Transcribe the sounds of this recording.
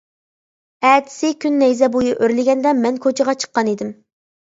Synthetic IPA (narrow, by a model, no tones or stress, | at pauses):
ɛt̪ʰɪ̥sɪkʲʰynːɛjzɛbojuʔøɾlɪɡʲɛnd̪ɛmɛnkʰot͡ʃʰəʁɑt͡ʃʰə̥qːɑnid̪ɪm